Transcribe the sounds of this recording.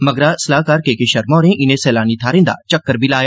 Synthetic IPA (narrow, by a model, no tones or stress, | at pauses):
mɐɡɾaːsɐlaːkaːɾkeːkeʃɐɾmɔːɾẽʔɪnẽsɛːlaːnit̪ʰaːɾẽnd̪a̰t͡ʃɐkːəɾbʱilaːja